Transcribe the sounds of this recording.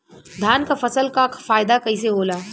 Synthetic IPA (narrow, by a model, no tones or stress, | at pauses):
d̪ʱjaːnkafɐsəlkakʰfaːjd̪akɐiseɦoːlaː